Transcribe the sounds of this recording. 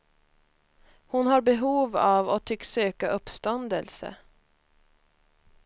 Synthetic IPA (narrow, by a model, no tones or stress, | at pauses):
hʊnhɑːɾbɛɦuːʋɑːʋoːt̪ʰʏksøːkəʔʊpst̪ɔnd̪əlsə̰